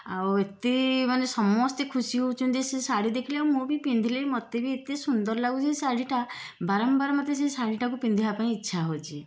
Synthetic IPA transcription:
a̰wet̪emanesɔmɔst̪ekʰusiɦout͡ʃʰɔ̃nd͡ʒesesaɽid̪ekʰilewmũbipind̪ʱileɾmɔt̪ebiet̪esund̪ɔɾlaɡut͡ʃisaɽiʈabaɾɔmbaɾɔmɔt̪ːes̬esaɽiʈakupind̪ʱiɦapaĩitːʃʰaɦot͡ʃʰi

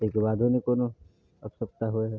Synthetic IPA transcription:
ekebaːd̪ʱonikoːno | əpsəp̚t̪aɦueɦɛ

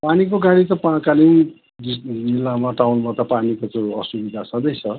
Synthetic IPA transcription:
panik̬oɡaɽit̪ʌpakaliw | did͡zilːamaʈawnbʱʌt̪apanikot͡sʌ̃ʌsubid̪ʱasʰʌd̪ʌjt͡sʰʌ

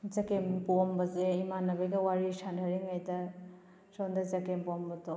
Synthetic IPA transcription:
zɐkempumbɐzeimanɐbɐjɡɐwaɾisandʱɐɾiŋajdɐ | sɔndɐzɐkempɔmbɐto

